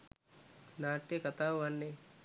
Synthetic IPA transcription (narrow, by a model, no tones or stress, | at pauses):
naːʈːekɐt̪aʋanːe